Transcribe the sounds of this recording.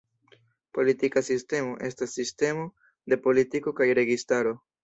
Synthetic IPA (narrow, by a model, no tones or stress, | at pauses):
po̞litikasiste̞mo̞ʔe̞stasːiste̞mo̞ | de̞po̞litiko̞kajɾe̞ɡistaɾo̞